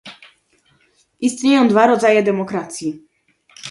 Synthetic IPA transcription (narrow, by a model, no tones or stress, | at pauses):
ist̪ɲejɔ̃w̃d̪vaɾɔd̪zajɛd̪ɛmɔkɾat̪sʲji